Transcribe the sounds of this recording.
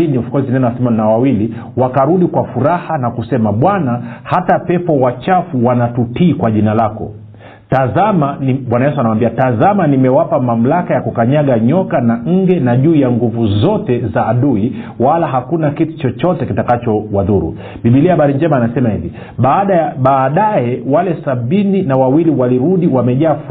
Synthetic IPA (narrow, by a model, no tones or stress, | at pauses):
iniufu̥kɔzinɛnɛwasimɔnnawawili | wakaɾuɗikwafuɾahanakusɛmaɓwanahatapɛpɔwat͡ʃafuwanatutiːkwaʄinalakɔ̰ | tazamaɓwanajɛsuanawambiatazamanimɛwapamam̩lakajakukaɲaɠaɲɔkanaŋ̩ɡɛnaʄuːjaŋɡuvuzɔtɛzaːɗuiwalaɦakunakitu̥t͡ʃɔt͡ʃɔtɛkitakat͡ʃɔwaðuɾṵ | ɓiɓiliahaɓaɾiɲd͡ʒɛmaːnasɛmahivi | ɓaːɗajaɓaːɗajɛwalɛsaɓininawawiliwaliɾuɗiwamɛʄaːf